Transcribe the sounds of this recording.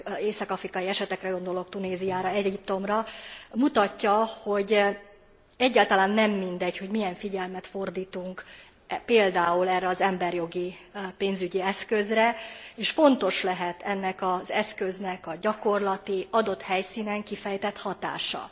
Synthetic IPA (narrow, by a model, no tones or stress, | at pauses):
eːsɒkɒfrikɒjiɛʃɛt̪ɛkrɛɡo̞nd̪o̞lo̞k̚t̪uneːzijaːɾɒɛip̚t̪o̞mrɒmut̪ɒcːɒho̞ɟ | ɛɟːaːlt̪ɒlaːnːɛmːind̪ɛcho̞ɟmijɛɱfiɟɛlmɛt̪fo̞rd̪iːt̪uŋk | peːld̪aːulɛːrːɛɒzɛmbɛrjo̞ɡipeːnzyɟiɛskø̞zrɛeːʃfo̞nt̪o̞ʃlɛɦɛt̪ʰɛnːɛkɒzɛskø̞znɛkɒɟɒko̞rlɒt̪iɒd̪o̞t̪hɛjsiːnɛŋkifɛjt̪ɛt̪hɒt̪a̰ːʃɒ̰